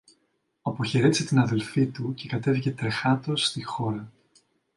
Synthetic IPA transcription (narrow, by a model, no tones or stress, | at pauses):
ɐpo̞çe̞ɾe̞t̪is̬e̞t̪inɐðe̞lfit̪uce̞kɐt̪e̞vice̞t̪ɾe̞xɐt̪o̞sːt̪ixo̞ɾɐ